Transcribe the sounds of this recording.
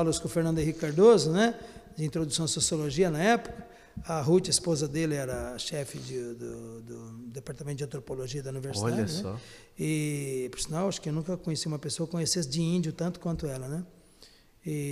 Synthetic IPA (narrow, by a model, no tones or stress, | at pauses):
alʊskɪ̃ʊfeɾnɐ̃nd̪ʊ̃ɦikaɾd̪ozʊnɛd͡ʒɪĩt̪ɾod̪usɐ̃w̪̃ɪsosioloʒiɐnɐɛpʊ̥kɐ̥ | ɐɦut͡ʃɐispozɐd̪elɪɛɾɐʃɛfɪd͡ʒɪd̪ʊd̪ʊd̪epaɾt̪amẽt̪ʊd͡ʒɐ̃nt̪ɾopoloʒiɐd̪ɐũniveɾsid̪aɐd͡ʒɪnɛɔ̰ | ɪpeɾsinawaʃʊ̥kɪewnũkɐkõɲesiũmɐpesoɐkõɲesesɪd͡ʒɪĩd͡ʒjʊt̪ɐ̃nt̪ʊ̥kwɐ̃nt̪ʊɛlɐnɛ | ɪ